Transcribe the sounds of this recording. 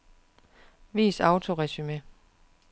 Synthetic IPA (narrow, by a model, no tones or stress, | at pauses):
ʋḭːsɑ̈ʊt͡sʰo̝ʁɛsyme